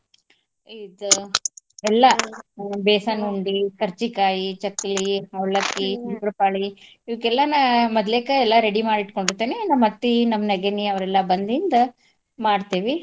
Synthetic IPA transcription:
id̪u | ɛlːɐ | beːsɐnuɳɖikɐɾt͡ʃikaːjit͡ʃɐkːɐliɐʋɭɐkːisupɾɐpaːɭi | iʋikːɛlːɐnamɐd̪leːkɐɛlːɐɾeɽimaːɽiʈkoɳɖiɾt̪ːeːnenɐmɐt̪ːinɐmːɐnɐɡeniɐʋɾɛlːɐbɐnd̪ind̪ɐ | maːɖt̪iːʋi

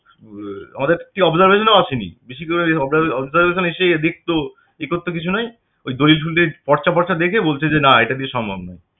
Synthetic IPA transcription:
a̰mad̪eɾek̚ʈiɔbzaɾbeʃoneat͡ɕʰenḭbiʃ̬ikoɾeɔbɔbzaɾbeʃ̬onɦeʃed̪ek̚ʰt̪o | ekot̪ːokit͡ɕʰunɔj | ojd̪olilfʰulʈepɔɾt͡ɕapɔɾt͡ɕad̪ekʰebolt͡ɕʰed͡ʑenaeʈad̪iʃɔmbʱabnaj

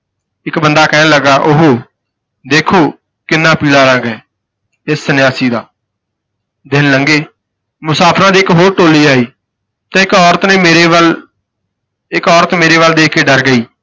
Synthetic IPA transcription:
ɪkbənd̪aːkɛːnləɡaːʔʊɦoː | d̪eːkʰoː | kɪnːãːpiːlaːɾə̃ɡɛ̃ː | ɪsːənjaːsiːd̪aː | d̪ɪnləŋɡeː | mʊsaːpʰɾãːd̪iːɪkɦoːʈoːliːaːiː | t̪ãːɪkɔːɾət̪nẽːmeːɾeːʋəl | ɪkɔːɾət̪meːɾeːʋəld̪eːkʰːeːɖəɾɡəiː

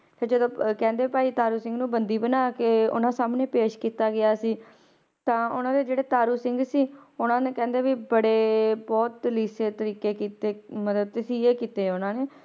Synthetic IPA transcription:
t̪əd͡ʒəd̪õːkɛ̃ːnd̪eːipaːiːt̪aːɾuːsɪ̃ŋɡnũːbənd̪iːbənaːkeːʊ̰nãːsaːmnẽːpeːʃkiːt̪aːɡɪaːsiː | t̪ãːʊnãːd̪eːd͡ʒeːɽeːt̪aːɾuːsɪŋɡsiːʊnãːneːkɛ̃ːnd̪eːʋiːbəɽeːbɔːt̪liːseːt̪əɾiːkeːkiːt̪eːmət̪əb̚t̪ɪsiːeːkiːt̪eːʊnãːneː

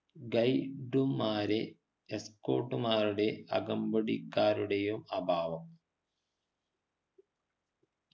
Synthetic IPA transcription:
ɡɐjɖumːaːɾe | esko̞̰ːʈːumaːɾuɽe̞ɐɡɐmbɐɽikːaːɾuɽejumɐbʱaːʋɐm

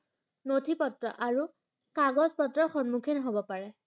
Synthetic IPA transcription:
notʰipɔtɹɔ̰ʔaɹu | kaɡɔzpɔtɹɔxɔnmukʰinɔɦobɔpaɹɛ

